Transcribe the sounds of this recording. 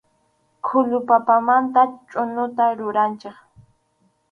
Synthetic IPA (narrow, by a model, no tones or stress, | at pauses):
kʰʊlʊpapamant̪at͡ʃʼʊnʊt̪aɾʊɾant͡ʃeχ